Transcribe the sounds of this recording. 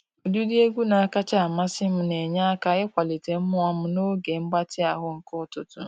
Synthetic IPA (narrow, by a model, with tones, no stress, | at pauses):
o˨du˦dɪ˦e˦ɡʷu˦na˨a˨ka˦t͡ʃa˦a˨ma˦sɪ˦m̩˦ne˨ɲa˦ka˨˦ɪ˦kʷa˨li˨te˨m̩˦mʊ˦a˦m̩˦no˦ɡe˨ŋ͡m̩˦ɡ͡ba˦tɪ˦a˨ɦʊ˦ŋ̩˨kʊ˦tʊ˦tʊ˦